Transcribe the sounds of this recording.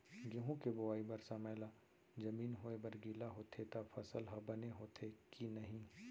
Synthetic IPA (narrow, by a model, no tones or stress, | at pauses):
ɡeɦũkebʊʋaːibɐɾsaməːla | d͡ʒɐmiːnɦoːebɐɾɡiːlaɦoːt̪ʰet̪afʰɐsəlɦabɐneɦoːt̪ʰekinɐɦĩ